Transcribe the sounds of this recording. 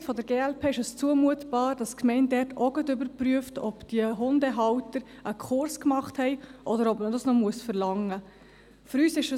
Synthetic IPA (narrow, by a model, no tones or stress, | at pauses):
tfɔdəɾɡeːɛlpʰeːɪʃəst͡suəmuətb̥ɑːɾd̥ɑskmɛɪn̚dɛɾtʰɔɡətʏbəɾpɾyəftʰɔpd̥iəɦʊndɛɦɑwtəɾʔəkʰχʊɾskmɑχthɛɪʔɔdəɾɔpmədɑsnɔmuəsfəɾlɑŋːə | føɾyːsɪʃə